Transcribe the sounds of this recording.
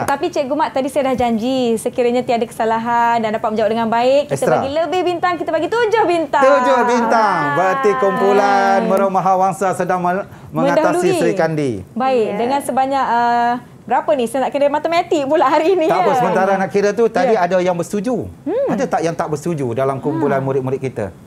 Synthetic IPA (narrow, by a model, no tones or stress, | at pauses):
tət̪apit͡ʃeʔɡumaʔt̪adisajadahd͡ʒaɲd͡ʒisəkiɾaɲat̪iadakə̥salaɦandandapat̪̚əɲd͡ʒawap̚dəŋanbaɪʔːist̪əɾaɡiləbɪhbint̪aŋkit̪əbaɡit̪ud͡ʒohbint̪at̪uŋd͡ʒohbint̪aŋbət̪ikumpulanmə̃ɾəmaɦawaŋsasədaŋə | mə̃mə̃ŋadat̪alusisəɾikandibaɪk̚dəŋãnsəbaɲak̚ə | bəɾapənisnaʔkadamat̪əmat̪iʔpulaɦaɾiːnit̪apʊsəmənt̪aɾanaʔkiɾat̪ut̪adiadajaŋbəst̪ud͡ʒuadat̪aʔjaŋt̪aʔbəst̪ud͡ʒudalamkumpulanmuɾɪt̪̚muɾɪt̪̚kit̪a̰